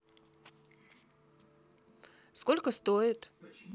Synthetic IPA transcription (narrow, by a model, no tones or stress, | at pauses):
skolʲkəst̪ojɪt̪